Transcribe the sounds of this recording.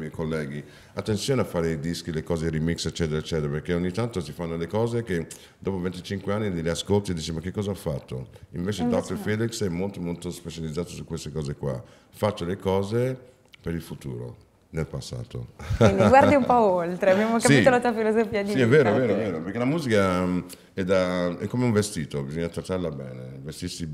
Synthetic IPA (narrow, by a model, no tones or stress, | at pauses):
mɛjkolːɛːɡi | at̪ːensjoːneafːaːɾeid̪isk̟ilekɔːzerimikset͡ʃːɛːt̪eɾaet͡ʃːɛːt̪eɾapeɾkeoɲːit̪ant̪osifanːolekɔːzeke | d̪̥ɔːpovent̪it͡ʃiŋkweanːiliaskolt̪ied̪iːt͡ʃimak̟ːekːɔːzaɔfːat̪ːo̰iɱveːt͡ʃed̪ɔt̪ːfɛd̪iksɛmːolt̪omolt̪ospet͡ʃalid̪zaːt̪osukːwest̪ekɔːzekwa̰ | fat̪ːolekɔːze | peɾilfut̪ṵːɾo̰ | nelpasːa̰ːt̪o̰ɡwaɾd̪iumpɔolt̪ɾeabjamoskait̪olat̪uafilozofiadsiiɛvːeːɾoɛveːɾoɛveːɾopeɾkelamuːzika | ɛd̪aɛkːomeuɱvest̪iːt̪obizoɲːat̪ɾat̪ːaɾlabɛːnevest̪iɾsi